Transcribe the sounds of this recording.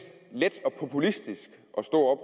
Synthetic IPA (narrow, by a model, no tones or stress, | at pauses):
led̥ɒ̽pʰo̝pʰulisd̥isɡ̥ | ʔɒ̽sd̥o̝ɐ̰ɒ̽b̥